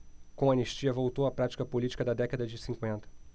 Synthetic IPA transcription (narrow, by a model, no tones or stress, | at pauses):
kõɐneʃt͡ʃiɐvowt̪owɐpɾat͡ʃi̥kɐpolit͡ʃi̥kɐd̪ɐd̪ɛkɐd̪ɐd͡ʒɪsĩŋkwẽnt̪ɐ̥